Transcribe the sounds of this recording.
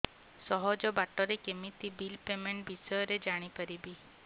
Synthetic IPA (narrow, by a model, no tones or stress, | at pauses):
sɔɦɔd͡ʒɔbaʈɔɾekemit̪ibilpemeɳʈ̚bʱisɔjɔɾed͡ʒaɽ̃ikəɾibi